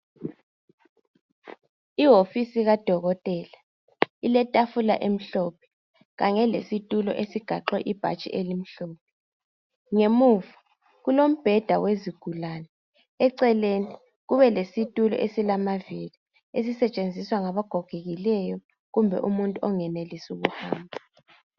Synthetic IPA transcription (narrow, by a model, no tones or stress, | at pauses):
iɦofisiɣad̥ʱɔɣɔtʼɛːla | ilɛtʼafula̰ʔem̩ɬɔpʰɛ̥ | ɣaɲɛlḛsitʼulɔ̰ʔesiɡ̥ʱaǁwɛʔib̥ʱa̰t͡ʃʼḭʔelim̩ɬoːp̚ʰɛ̥ | ŋemuːvḁ | ɣulom̩b̥ʱɛd̥ʱaweziɡ̥ʱulanɛ | ɛǀɛleni | ɣuβɛlesitʼulɔ̰ʔesilamavili | es̬isɛt͡ʃʼend͡zʱiswaŋaβaɡ̥ʱɔɡ̥ʱeɣilɛjɔ | ɣumbʱɛ̰ʔumuntʼuɔŋɛnelisuɣuhaːmbʱa